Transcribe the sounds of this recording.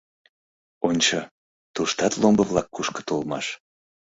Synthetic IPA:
onʲt͡ɕɤ | t̪uʃt̪ɑt̪lˠombəβlɑkːuʃkə̥t̪olmɑʃ

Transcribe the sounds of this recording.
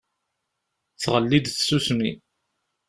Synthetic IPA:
θʁəlːid̪θsusmḭ

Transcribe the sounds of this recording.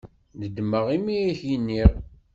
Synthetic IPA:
ðəd̪məʁimiiçinːiʁ

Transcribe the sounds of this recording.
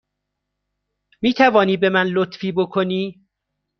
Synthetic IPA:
miːt̪ʰævɒːniːbe̞mænlot̪fiːbokʰoniː

